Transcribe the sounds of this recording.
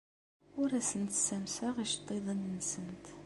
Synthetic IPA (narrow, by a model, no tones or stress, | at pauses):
ʊɾæsənt̪sæmsaʁiʃt̪ˤːeðˤənːsənt̪